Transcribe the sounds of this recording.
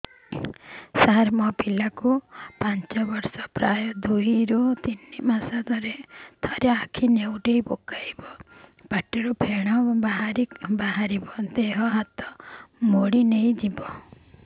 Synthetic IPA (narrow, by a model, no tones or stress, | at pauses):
saɦɾmɔpilakupant͡ʃɔbɔɾsɔpɾajɔd̪ujɾut̪inːimasad̪ʱɔɾet̪ʰɔɾjaːkʰinewʈejpokajbɔb̥aʈeɾupʰeɽ̃ɔbaɦaɾibaɦaɾibɔd̪eɦɔɦat̪ɔmoɽinej̃d͡ʒibɔ